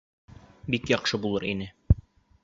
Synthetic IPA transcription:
bikjɒqʃɤbulˠɤɾinɘ

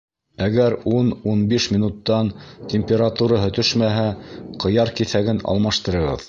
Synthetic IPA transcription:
æɡæɾununbiʃmʲinut̪ːɑntʲemʲpʲeɾat̪uɾɑɦɵ̆t̪ɵʃmæɦæqɤ̆jɑɾkiθæɡɘnɑ̰lˠmɑʃt̪ɤ̆ɾɤ̆ʁɤ̰ð

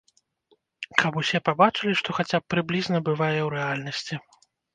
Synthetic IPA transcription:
kʰɐpusʲɛpabat͡ʂɨlʲiʂt̪ɔxat͡sʲapːɾɨblʲiznɐbɨvajɛwɾɛalʲnɐsʲt͡sʲi

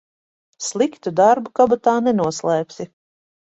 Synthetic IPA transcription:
slˠikt̪ud̪aɾbukabat̪aːnɛnuɔslˠɛːpʲsʲi

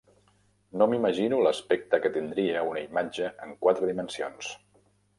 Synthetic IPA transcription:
nomiməʒinuləspɛk̚t̪əkət̪ind̪ɾiəunəimad͡ʒəʔəŋkwat̪ɾəðimənsio̰ns

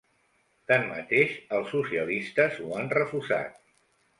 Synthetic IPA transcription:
t̪anmə̰t̪eʃəlˠsːusiəlist̪əzuanrəfusa̰t̪̚

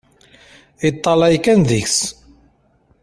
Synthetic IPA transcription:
it̪ˤːɑlæjkænðiçs

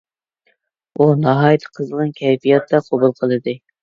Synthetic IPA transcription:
unɑɦɑjɪt̪ʰə̥qʰəzəʁɑnkʲʰɛjpijɑt̪ʰːɑqʰobulˠqʰəlˠɨd̪ɨ

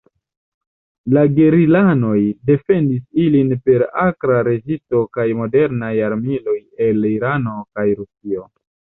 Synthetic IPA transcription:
laɡe̞ɾilano̞jde̞fe̞ndisilinpe̞ɾakɾaɾe̞zisto̞kajmo̞de̞ɾnajaɾmilo̞je̞liɾano̞kajɾusio̞

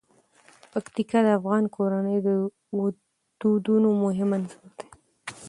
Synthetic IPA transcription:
pakt̪ikad̪əafɣɑnkoɾanəjd̪ə | wʊ | d̪̥ud̪unomʊɦɪmanzaɾd̪̥e̥

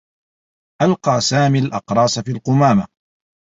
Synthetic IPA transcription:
ʔalqɑːsaːmiːalʔɑqɾˤɑːsfiːlqʊmaːma

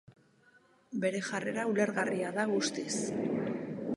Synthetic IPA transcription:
be̞ɾe̞ʝare̞ɾaule̞ɾɣariaðaɣust̪is

